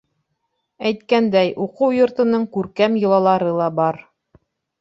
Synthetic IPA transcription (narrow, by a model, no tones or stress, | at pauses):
æjt̪kænd̪æjʔuqɤwjŏɾt̪ɤ̆nɤɴkʉɾkæmjɤ̆lˠɑlˠɑɾɤlˠɑbɑɾ